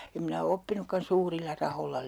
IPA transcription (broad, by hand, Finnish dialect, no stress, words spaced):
em minæ o opːinukːɑn suːrilːɑ rɑholːɑ